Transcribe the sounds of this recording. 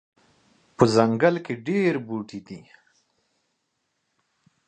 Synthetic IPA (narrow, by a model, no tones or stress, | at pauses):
pəzaŋɡalkeɖeɾbuʈid̪i